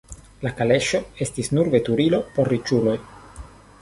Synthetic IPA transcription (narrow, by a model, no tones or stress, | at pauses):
lakale̞ʃo̞e̞stisnuɾve̞t̪uɾilo̞po̞ɾːit͡ʃulo̞j